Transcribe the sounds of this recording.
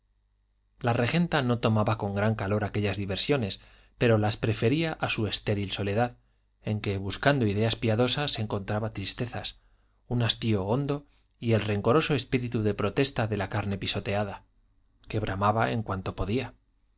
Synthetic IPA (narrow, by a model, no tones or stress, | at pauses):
lare̞xe̞nt̪ano̞t̪o̞maβako̞ŋɡɾaŋkalo̞ɾake̞ʎazðiβe̞ɾsjo̞ne̞s | pe̞ɾo̞laspɾe̞fe̞ɾiaʔasue̞st̪e̞ɾilso̞le̞ðað | e̞ŋke̞βuskand̪oiðe̞aspiaðo̞saseŋko̞nt̪ɾaβat̪ɾist̪e̞θas | unast̪io̞ond̪o̞ | ie̞lre̞ŋko̞ɾo̞so̞e̞spiɾit̪uðe̞pɾo̞t̪e̞st̪aðe̞lakaɾne̞piso̞t̪e̞aða | ke̞β̞ɾamaβae̞ŋkwant̪o̞po̞ðia